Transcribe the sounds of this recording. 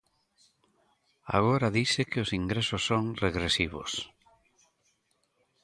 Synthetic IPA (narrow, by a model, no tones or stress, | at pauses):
a̰ɣ̞oɾaðisekɪosiŋɡɾesosːoŋreɣɾesiβ̞o̰s